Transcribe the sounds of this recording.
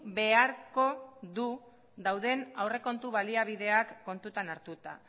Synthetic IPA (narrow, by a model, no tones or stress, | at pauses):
be̞aɾko̞ðu | ðawðe̞nawre̞ko̞nt̪uβaliaβiðe̞akːo̞nt̪ut̪anaɾt̪ut̪a̰